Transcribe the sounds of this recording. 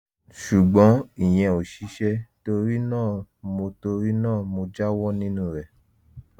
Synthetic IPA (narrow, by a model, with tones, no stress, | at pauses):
ʃu˨ɡ͡bɔ̃˨˦i˨j̃ɛ̃˧o˨ʃi˨˧˦ʃɛ˧to˧ɾi˦nãː˦˨mo˧to˧ɾi˦nãː˦˨mo˧d͡ʒa˦wɔ˦nĩ˦nũ˦ɾɛ˨